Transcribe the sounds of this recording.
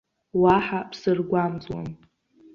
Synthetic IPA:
waħapʰsɨrɡʷamd͡zwa̰m

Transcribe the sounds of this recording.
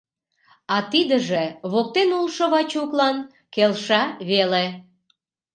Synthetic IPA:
ɑt̪id̪ə̆ʒeβok̚t̪enulʃoβɑt͡ɕuklɑn | kelʃɑβele

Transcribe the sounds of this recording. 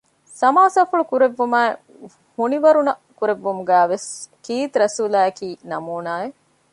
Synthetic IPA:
sɐmaːsaːfuɭukuɾeʋːumæːe | huniʋɐɾunɐkuɾeʋːumuɡæːʋeskiːt̪ɾɐsuːlaːɐkiːnɐmuːnaːe

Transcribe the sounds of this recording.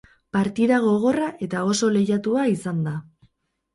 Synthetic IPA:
paɾt̪iðaɣo̞ɣo̞raʔe̞t̪ao̞so̞le̞jat̪uaisand̪a

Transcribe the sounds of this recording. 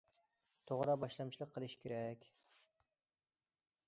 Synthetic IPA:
t̪ʰoʁɾɑbɑʃlˠɑmt͡ʃʰilˠəqʰːəlˠɨʃkʲʰeɾɛkʲ

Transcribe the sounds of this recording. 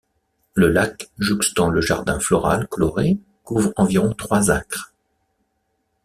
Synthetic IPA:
ləlakʒykst̪ɑ̃ləʒa̰ʁd̪ɛ̃flɔʁa̰lkɔlɔʁe | kuvʁɑ̃viʁɔ̃t̪χwazɛ̃kχ

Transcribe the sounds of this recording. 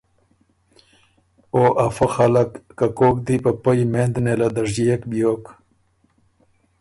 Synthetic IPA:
oːʔɐfoxalɐkːakoːk̚d̪ipɐpɐjmẽːnd̪nelad̪ɐʐd͡ʑijekbjoːk

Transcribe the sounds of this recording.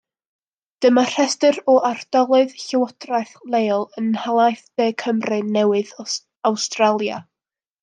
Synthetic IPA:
d̥əmar̥ɛstɨɾɔʔard̥ɔlˠɨɨðɬɪwɔdrajθlˠejlˠənhalˠajθb̥eːkʰəmrɨnɛwɨð | awstralˠja̰

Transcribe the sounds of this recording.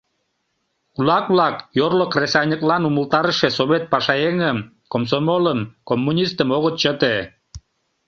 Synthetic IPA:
kulɑkβlɑkjorlokresɑjnʲəklɑnuməlt̪ɑɾəʃesoβet̪̚pɑʃɑeŋəm | koms̬omoləmkomːunʲist̪əmoɣət̪t͡ɕət̪e

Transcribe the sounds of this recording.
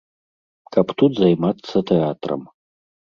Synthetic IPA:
kapt̪ut̪zajmat̪sʰːɐt̪ʰeat̪rɐ̰m

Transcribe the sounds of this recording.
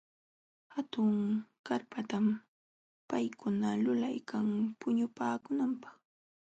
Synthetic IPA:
hat̪ʊŋkaɾpat̪am | pajkʊnalʊlajkʰaŋpʊɲʊpaːkʊnampɑ̥χ

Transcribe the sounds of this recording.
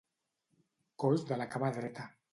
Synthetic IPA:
kolzd̪əlakamaðɾet̪a

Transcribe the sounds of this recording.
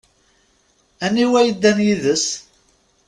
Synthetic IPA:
æniwæjəd̪ːænjiðəs

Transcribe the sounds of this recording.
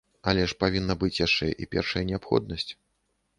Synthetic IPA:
ɐlʲɛʂpavʲinːɐbɨt͡sʲjaʂt͡ʂɛʔipʲɛ̰rʂɐjɐnʲɛapxɔ̰d̪̚nɐsʲt͡sʲ

